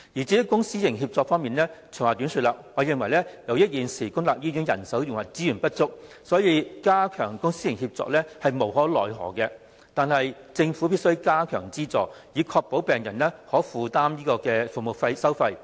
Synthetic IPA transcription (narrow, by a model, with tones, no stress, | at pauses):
jiː˨˩t͡siː˨˥kʊ˥ŋsiː˥jɪ˨˩ŋɦiː˧p̚t͡sɔː˧k̚fɔː˥ŋmiː˨nlɛː˥t͡sʰə˨˩waː˨˩t̪yː˨˥nsyː˧t̚laː˨˧k̚waː˨˧jɪ˨ŋwɐ˨˩jlɛ˥jɐ˨˧wjɐ˥t̚jiː˨nsiː˨˩kʊ˥ŋt̪laː˨p̚jiː˥jy˨˥ŋjɐ̰˨˩nsɐ˨˥wjɪ˨˩ŋwɐ˨˩t͡siː˨˥jy˨˩npɐ˥t̚t͡sʊ˥k̚ | sɔː˨˥jiː˧kaː˥kʰœː˨˩ŋkʊ˥ŋsiː˥jɪ˨˩ŋhiː˧p̚t͡sɔ̰ː˧k̚lɛː˥hɐ˨jmo˨˩wɦɔː˨˥lɔː˨˩jɦɔ̰ː˨˩kɛ˧ | t̪aː˨nhɐ˨j | t͡sɪ˧ŋfu˨˥piː˥t̚sɵ˥ɥkaː˥kʰœː˨˩ŋt͡siː˥t͡sɔː˨˩jiː˨˧kʰɔː˧k̚po˨˥wpɛː˨ŋjɐ˨˩nlɛː˥hɔː˨˥fuː˨˧t̪aː˥mjiː˥kɔː˧kɛː˧fu˨mo˨˩fɐ˧jsɐ˥wfɐ˧j